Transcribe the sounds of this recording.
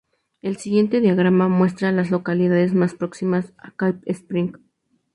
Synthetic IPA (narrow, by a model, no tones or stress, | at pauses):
e̞lsiɣje̞nt̪e̞ðjaɣ̞ɾamamwe̞s̬t̪ɾalaslo̞kaliðaðezmaspɾo̞ksimasakajpespɾiŋk